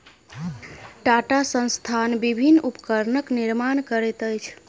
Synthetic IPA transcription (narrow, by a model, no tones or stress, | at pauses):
ʈaʈasə̃nst̪ʰanbibʱinːupəkəɾnəkniɾmankəɾɛt̪əjt͡ʃʰ